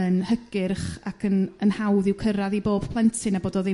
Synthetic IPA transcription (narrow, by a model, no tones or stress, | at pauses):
ənhəɡɪrχakʰənənhawðɪwkʰəɾaðiboːb̥pʰlˠɛntʰɪnaboːdɔðɪ